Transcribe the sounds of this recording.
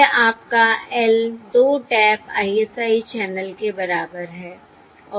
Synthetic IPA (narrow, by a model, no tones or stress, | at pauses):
ʔaːp̚kaɛld̪oːʈɛːpʰa̰ːiɛsaːit͡ʃɛːnəlkebɐɾaːbəɾɦɛː | ɔː